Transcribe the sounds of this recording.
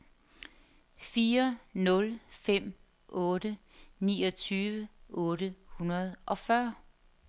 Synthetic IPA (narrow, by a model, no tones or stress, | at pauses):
fiːɐnɔ̽lfem̰ | ʔɔ̽ːɾ̥ə | nḭːɒ̽t͡sʰyːʋəʔɔ̽ːɾəhunɐð̞ˠʔɒ̽fɶɐ̰